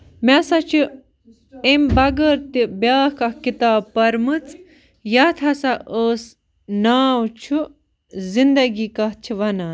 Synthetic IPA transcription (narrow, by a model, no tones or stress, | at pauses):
masɐt͡ʃʰi | embɐɡəɾt̪ibjaːhkɐkit̪aːbpɐɾmɨt͡s | jɐt̪ʰɐsaʔəːs | naːwt͡ʃʰu | zind̪ɐɡiːkɐɦt͡ʃʰiʋɐnaːn